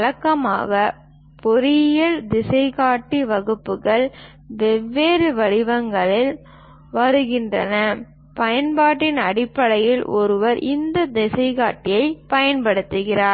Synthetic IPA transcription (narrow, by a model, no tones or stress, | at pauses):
ɭɐkːɐma̰ːɣɐ | pɔɾɪjɐɭd̪ɪsɐɪɣaːʈːiʋɐɣɯpːɯɣɐɭ | ʋɛʋːeːɾɯʋɐɽɪʋɐŋɡɐɭɪl | ʋɐɾɯɣɪndrɐ̰nɐ | pɐjɐnpaːʈːɪnɐɽɪpːɐɭɐjɪlʔɔɾɯʋɐɾʔɪnd̪ɐd̪ɪsɐɪɣaːʈːɪjɐɪpɐjɐnpɐɽɯt̪ːɯɣɪraː